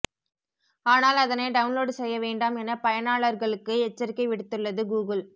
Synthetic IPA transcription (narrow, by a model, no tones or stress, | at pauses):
aːnaːlɐðɐnɐɪɖɐʊnloːɽsɛjːɐʋeːɳɖaːmɛnɐpɐjɐnaːɭɐɾɣɐɭɯkːɯɛt͡ʃːɐɾɪkːɐɪʋɪɽɯt̪ːɯɭːɐðɯɡuːɣɯl